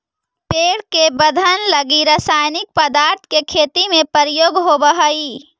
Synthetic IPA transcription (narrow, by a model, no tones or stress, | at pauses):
peːɽkebəd̪ʱənləɡiɾasaːjnɪk̚pəd̪aːɾt̪ʰkekʰeːt̪imẽpəɾijoːɡɦobəɦəi